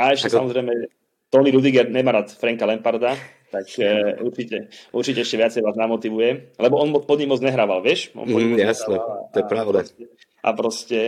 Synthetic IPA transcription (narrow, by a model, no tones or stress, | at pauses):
aɛʃɛsamɔzɾɛjmɛ | t̪ɔniɾud̪iɡɛɾɲɛmaːɾat̪fɾɛŋkalɛmpaɾd̪a | t̪akuɾt͡ʃicɛuɾt͡ʃicɛɛʃcɛʋɪat͡sɛjʋaːznamɔt̪iʋujɛlɛbɔɔnmɔpɔd̪ɲimɔd͡zɲɛɦɾaːʋalʋɛʃmɔ̰mɔjasɲɛt̪ɔjɛpɾaʊd̪asɛ | ʔa̰pɾɔscɛ